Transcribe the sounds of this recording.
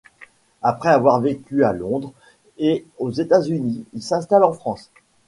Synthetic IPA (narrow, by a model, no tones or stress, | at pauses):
apχɛavwaʁvekʲyalɔ̃d̪ʁ | eozet̪azyniilsɛ̃st̪alɑ̃fχɑ̃s